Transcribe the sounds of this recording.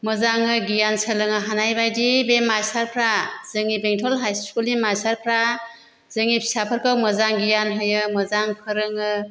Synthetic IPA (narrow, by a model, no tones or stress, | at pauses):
məzaŋɯɡijansəlɯŋaɦanajbajdibemajsaɾpʰɾaz̥ɯŋibeŋtʰɔlɦajskuliŋmajsaɾpʰɾa | z̥ɯŋipʰi̥sapʰəɾkʰawmɐzaŋɡijanɦɯjɯmɐzaŋpʰɯɾɯŋɯ